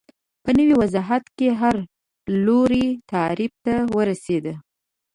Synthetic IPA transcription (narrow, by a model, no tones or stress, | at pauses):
pənəwiwazɑɦat̪keɦaɾ | loɾit̪ɑɾib̚t̪awəɾased̪ə